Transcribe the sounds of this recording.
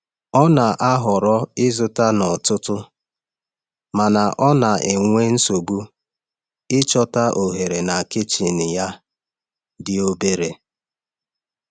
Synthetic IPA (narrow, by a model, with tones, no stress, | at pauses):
ɔ˦na˨ʔa˦ɦʊ˨ɾɔ˦ɪ˦zʊ˨ta˦nɔ˨tʊ˦tʊ˦ | ma˨na˨ʔɔ˦na˨ʔe˨ŋʷe˦n̩˦so˨bu˦ | ɪ˦t͡ʃɔ˦ta˦ʔo˨ɦe˨ɾe˨na˨kɪ˦t͡ʃi˨nɪ˨ja˦ | dɪ˦o˦be˦ɾe˨